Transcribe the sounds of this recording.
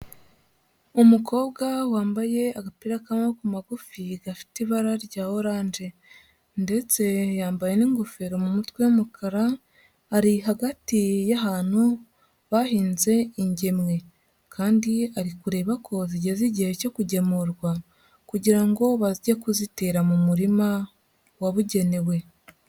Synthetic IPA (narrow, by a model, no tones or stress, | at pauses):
umuko̞ːβɡawaːmbaje̞aɡapiɾakamakumaɡufiɡafi̥tiβaɾaɾɟaːho̞ɾaːnd͡ʒe̞ | nde̞t͡se̞jaːmbaje̞niːŋɡofe̞ɾomumutweumukʰaɾaː | ɾiɦaɡatijaɦaːn̥hu | βahiːnze̞iɲɟe̞mŋe̞ | kʰaːndiaɾikuɾe̞βakʰo̞ziɟe̞ziɟihe̞co̞kuɟe̞muɾɡwa | kuɟiɾaŋɡo̞βaziɟekuzite̞ɾamumuɾima | waβuɟe̞ne̞we̞